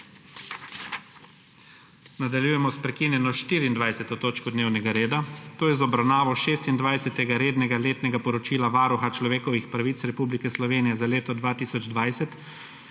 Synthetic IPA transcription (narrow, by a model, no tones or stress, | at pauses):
nad̪aljuːjɛmɔspɾɛkiːnjɛnɔʃt̪iːɾiːnd̪ʋajsɛt̪ɔt̪oːt͡ʃkɔd̪neːwnɛɡaɾeːd̪at̪oːjɛzɔbɾawnaːʋɔʃeːst̪ind̪ʋajsɛt̪ɛɡaɾeːd̪nɛɡaleːt̪nɛɡapɔɾɔt͡ʃiːlaʋaːɾuxat͡ʃlɔʋeːkɔʋixpɾaʋit̪sɾɛpublikɛslɔʋeːnijɛzaleːt̪ɔd̪ʋaːt̪isɔd͡ʒd̪ʋaːjsɛt̪